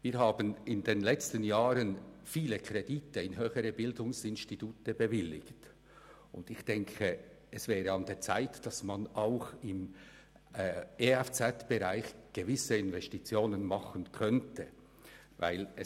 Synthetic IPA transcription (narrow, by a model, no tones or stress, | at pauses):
viːɦaːbənɪndeːnlɛt͡stənjaːɾənfiːləkʰʁ̥ediːtəɪnɦøːxəɾəbɪldʊŋsɪnstituːtəbəvɪlːɪ̰kt | ʔʊ̰ndɪxd̥ɛŋkʰə | ɛsv̥ɛːɾəɑndeːt͡sa̰ɪtd̥ɑsmanaʊxɪm | eɛft͡sɛtb̥əʁaɪxɡ̥əvɪsəɪnvɛstit͡sjoːnənmɑχənkʰœntʰə | va̰ɪlɛ